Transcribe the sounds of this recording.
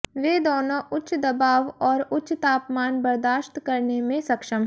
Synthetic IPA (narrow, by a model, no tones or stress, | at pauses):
ʋeːd̪ɔːnoʔʊt͡ʃʰd̪ɐbaːʋɔːɾʊt͡ʃʰt̪aːpmaːnbɐɾd̪aːʃt̪kɐɾnemẽsɐkʃəmɦ